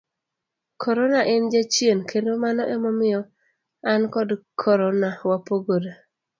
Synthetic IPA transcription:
kʰɔɾɔnaʔɛnd͡ʒat͡ʃienkʰendomanɔʔɛmɔmɪɔ | ankɔdkʰɔɾɔnawapoɡoɾa

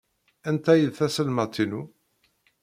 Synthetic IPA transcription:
ænt̪æjəðθæsəlmæt̪ʰːinu

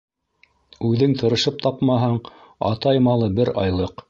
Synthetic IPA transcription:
ʉðɘŋt̪ʰɤ̆ɾɤ̆ʃɤp̚t̪ɑpmɑɦɑɴ | ɑ̰t̪ɑjmɑlˠɤbɘɾɑ̰jlˠɤq

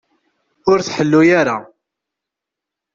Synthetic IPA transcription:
ʊɾθħəlːujaɾa

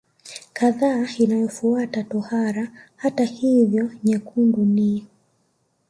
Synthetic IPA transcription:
kaðainajɔfuatatɔhaɾahatahivjɔɲɛkʰunduni

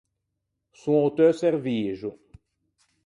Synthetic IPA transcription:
sũot̪øsɛʁviːʒu

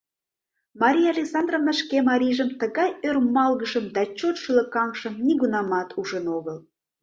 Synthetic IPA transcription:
mɑɾʲijɑlʲeksɑnd̪rovnəʃkemɑɾʲiʒəmt̪əɣɑjørmɑlɣəʃəmd̪ɑt͡ɕot̪ʃylə̆kɑŋʃə̆mniɣunɑmɑt̪ʰuʒənoɣəl

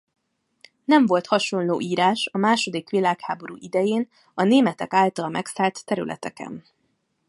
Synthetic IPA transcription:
nɛɱvo̞lt̪hɒʃo̞nloːʔiːɾaːʃɒmaːʃo̞d̪ikʋilaːkhaːbo̞ɾṵːʔid̪ɛjeːn | ɒneːmɛt̪ɛkaːlt̪ɒlmɛksaːlt̪ːɛɾylʔɛ̰t̪ɛ̰kɛ̰n

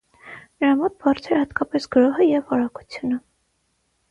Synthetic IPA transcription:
nəɾɑmɔt̪̚bɑɾt͡sʰɛɾhɑt̪kɑpɛsɡəɾɔɦəjɛvɑɾɑku̥t͡sʰjunə

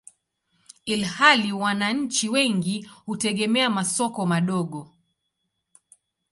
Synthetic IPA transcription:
ilhaliwanaɲ̩t͡ʃiwɛŋɡihutɛɠɛmɛamasɔkɔmaɗɔɠɔ

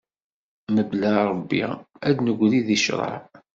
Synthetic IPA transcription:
məblæɾˤəbːḭæd̪nəɡʷliðiʃɾˤɑ̰ʕ

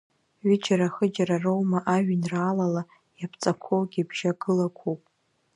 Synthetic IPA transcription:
ɥid͡ʒaɾaχəd͡ʒaɾarowmaʔaɥᶣnraːlala | japʰt͡sʼakʷʰowɡʲibʒ̥aɡɨlakʷʰopʼ

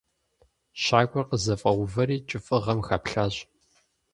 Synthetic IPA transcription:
ɕaːɡʷɔrqəzɐfʼɐwʷʊvɐɾiːt͡ʃʼɪfʼɨʁɐmxaːpɬaːɕ

